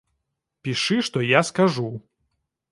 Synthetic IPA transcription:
pʲiʂɨʂt̪ɔjaskaʐu

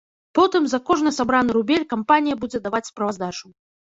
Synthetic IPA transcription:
pɔt̪ɨmzakɔʐnɨsabɾanɨɾubʲelʲkampanʲijɐbud͡zʲɛd̪avat͡sʲspɾɐvazd̪at͡ʂu

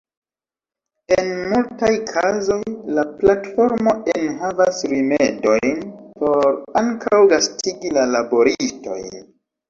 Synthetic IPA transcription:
enmultajkʰazo̞jlaplatfo̞ɾmo̞enɦavasɾime̞do̞jnpʰo̞ɾaŋkʰawɡastʰiɡilalabo̞ɾisto̞̰j

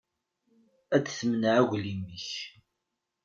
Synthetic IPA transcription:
æt͡sːθəmnʕæɣʷliməç

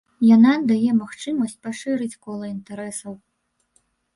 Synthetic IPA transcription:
janad̪ajɛmaxt͡ʂɨmɐsʲt͡sʲpaʂɨɾɨt͡sʲkɔlˠɐint̪aɾɛsɐw

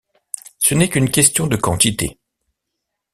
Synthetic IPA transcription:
sənɛkynkʲɛst̪jɔ̃d̪əkɑ̰̃t̪it̪ḛ

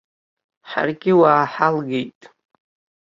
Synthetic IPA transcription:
ħa̰rɡʲɪwaːħalɡejtʼ

